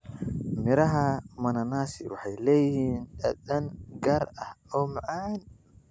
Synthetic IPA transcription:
mɪɾɐɦɐmɐnɐnaːsɪwɑ̰ħɑjlɛːjɪhiːnɗɐɗɐnɡɐɾɐhɔmʕan

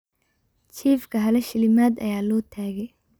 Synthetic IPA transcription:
t͡ʃʰiːfkʰɐɦɐlɐʃɪlɪmaːd̪ɐ̰jaːlɔːt̪ʰaːɣɛj

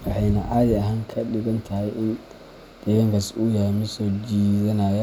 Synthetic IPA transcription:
wɑħɑjnɐʕɑːðɪɐɦaːŋkʰɐɗɪɣɐnt̪ʰɐhɛjʔɪn | d̪̥ɛɣɐŋkʰɐsʊjɐhɛjmɪsɔːd͡ʒiːðɐnaːjɐ

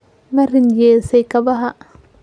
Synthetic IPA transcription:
mɐrɪnjɛːsɛjkʰɐβɐɦɐ

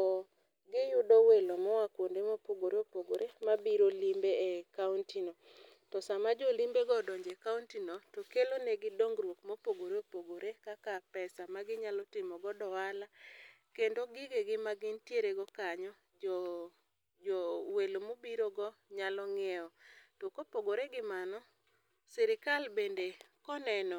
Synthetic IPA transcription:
ɔ | ɡɪjʊdɔwelomɔwakwondemopoɡoɾeopoɡoɾemabiɾolimbeekauntino | tɔsamad͡ʒɔlimbeɡɔdɔɲd͡ʒekauntinotɔkelonɛɡɪdoŋɡɾwokmopoɡoɾeopoɡoɾekakapɛsamaɡɪɲalɔtɪmɔɡɔdɔwala | kendoɡɪɡeɡɪmaɡɪntjeɾeɡɔkaɲɔ | ɔ | d͡ʒɔwelomobiɾoɡɔ | ɲalɔŋɛɔtokopoɡoɾeɡɪmanɔ | siɾɪkalbendekɔnɛnɔ

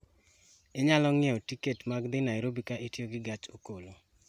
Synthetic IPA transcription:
ɪɲalɔŋɪɛotiketmaɡd̪ɪnaɪɾobikaʔitjoɡɪɡat͡ʃokolo

